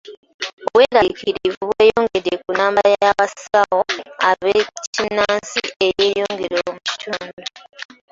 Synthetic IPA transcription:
oβweːɾaiciɾivuβweːjoːŋɡe̞dekunaːmbajajaβasawo̞aβecinaːnsiejeːjo̞ːŋɡe̞ɾomuci̥tʰoːndo

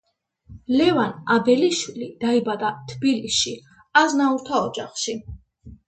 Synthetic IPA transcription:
lɛvanad̪ɛliʃwilid̪̥aibad̪at̪ʰbilisʃi | aznauɾt̪ʰaɔd͡ʒaχʃi

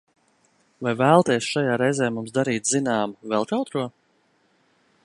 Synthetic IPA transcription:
vajvæːlˠt̪iɛsʃajaːɾɛjzɛːmumsd̪aɾiːt̪zinaːmuvɛlˠt̪awt̪ɾuɔ

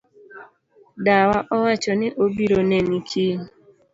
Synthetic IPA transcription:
dawaʔɔwat͡ʃɔnɪʔobiɾonenikʰi

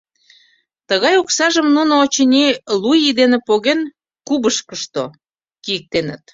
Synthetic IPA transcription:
t̪əɣɑjuksɑʒəmnunoːt͡ɕənʲilujid̪enepoɣen | kuβəʃkəʃt̪o | kijək̚t̪enə̰̆t̪

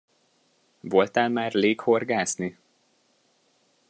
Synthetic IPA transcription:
vo̞lt̪aːlmaːrleːkho̞rɡaːzni

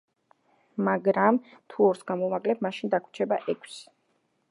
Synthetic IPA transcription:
maɡɾamt̪ʰuɔɾsɡamɔmakʼlɛb̚maʃind̪akʰwt͡ʃʰɛbaʔɛkʰs

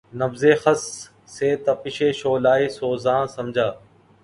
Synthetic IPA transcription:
nəfzeːxəsː | eːt̪ɐpɪʃeːʃoːlaːeːsoːzãːsəmd͡ʒʱaː

